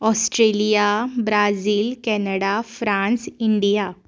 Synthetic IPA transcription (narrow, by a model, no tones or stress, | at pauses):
ɔsʈɾelijabɾad͡ziːlkɛnəɽafɾãnsiɳɖija